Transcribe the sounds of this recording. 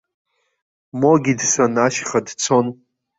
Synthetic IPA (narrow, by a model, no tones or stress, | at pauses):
moɡʲidsanaʃχadt͡sʰo̞n